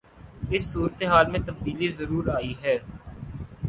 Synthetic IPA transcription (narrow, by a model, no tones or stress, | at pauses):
ɪsːuːɾət̪eɦaːlmẽt̪ɐfd̪iːlizəɾuːɾaːiɦɛː